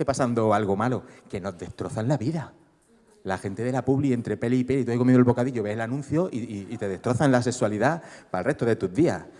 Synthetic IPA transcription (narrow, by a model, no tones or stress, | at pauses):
epasand̪o̞alɣo̞malokeno̞ɦðe̞ht̪ɾo̞θanlaβiða | laxe̞nt̪e̞ðe̞lapuβlient̪ɾe̞pe̞liipe̞lit̪ueikomjenolβo̞kaðiʝo̞βe̞selanũn̟θjo̞ʔiiːt̪e̞ðe̞ht̪ɾo̞θanlase̞swaliðapaelre̞ht̪oðe̞t̪uɦðia̰h